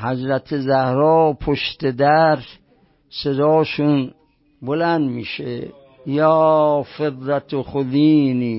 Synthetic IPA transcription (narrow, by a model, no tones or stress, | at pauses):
hæd͡ʒɾæt̪ʰezæhɾɒːpʰoʃt̪ed̪æɾ | sed̪ɔːʃun | bolænd̪miːʃḛ | jɒːfed̪ɾæt̪ʰoxod̪iːniː